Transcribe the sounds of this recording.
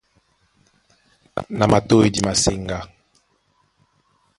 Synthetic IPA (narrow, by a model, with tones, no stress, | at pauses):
na˨ma˨to˦e˨di˨ma˨se˦˨ŋɡa˦